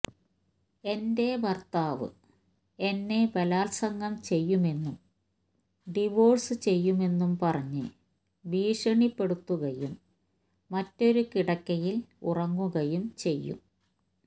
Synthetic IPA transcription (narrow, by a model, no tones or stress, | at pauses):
e̞nde̞ʋɐrt̪aːʋɨ̰ | e̞nːe̞ʋɐlaːlsɐŋɡɐmt͡ɕe̞jːume̞nːum | ɖiʋo̞ːrsɨt͡ɕe̞jːume̞nːumpɐrɐɲːɨ | ʋiːʂɐɳipːe̞ɽut̪ːuɣɐjumː | ɐtːo̞ɾukiɽɐkːɐjilṵrɐŋːuɣɐjumt͡ɕe̞jːṵm